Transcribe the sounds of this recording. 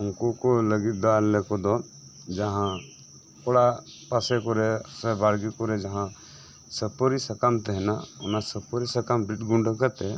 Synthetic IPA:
ʊnkokoləɡit̪̚d̪aːɾlekod̪ɔ | d͡ʒəɦã | kɔɽa | pasekoɾesəbaɾɡikoɾed͡ʒɐɦã | səbpɔɾisəkamt̪ɛɦnaʊnasəbpɔɾisəkambɾiʈɡʊ̃ɳɖkəɾt̪e

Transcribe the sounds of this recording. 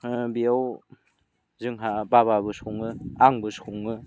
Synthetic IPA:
biaw | zɯŋɦabaβabɯsɔŋɯaŋbɯsoŋɯ

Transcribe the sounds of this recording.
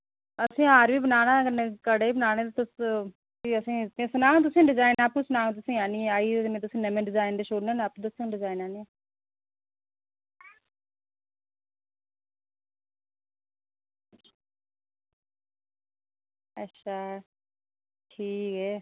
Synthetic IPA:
əsĩːaːɾʋiːbənaːɽ̃ãːkənekəɽeːiːbənaːɽ̃ẽːt̪ːt̪ʊs | iəsĩːt̪ẽːsʊnaːũːt̪̬ʊsĩːɖɪzaːɪnaːpuːsʊnãːt̪ʊsĩːaːnĩːaːiːmẽːt̪̬ʊsĩːnəmẽɖɪzaːɪnɖeʃoːɽneːnapt̪ʊsĩːɖɪzaːɪnaːnĩe | əʃʰaː | ʈʰiːkɦɛː

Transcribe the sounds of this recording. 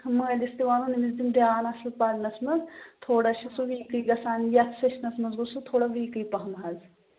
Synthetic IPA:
məːlist̪iʋaːnunimizd̪imd̪jaːnɐslpɐɾnɐsmɐzt̪ʰoːɽaʃʰɐsuʋiːkɨjɡɐsaːnjɐkseʃnɐsmɐzɡusut̪ʰoːɽaʋiːkɨjpɐɦmɐɦɐz

